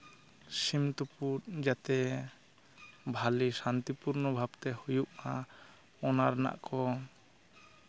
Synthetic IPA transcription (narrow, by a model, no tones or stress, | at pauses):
simt̪upuɾd͡ʒat̪ɛ | bʱalisant̪ipuɾnɔbʱabt̪ɛhujuʔa | ɔnaɾna̰ʔkʰɔ